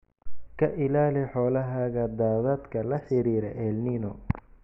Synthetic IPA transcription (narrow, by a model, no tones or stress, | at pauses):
kʰɐʔɪlaːlɪħɔːlɐɦaːɣɐd̪aːðaːd̪kʰɐlɐħɪɾiːɾɛʔɛlninɔ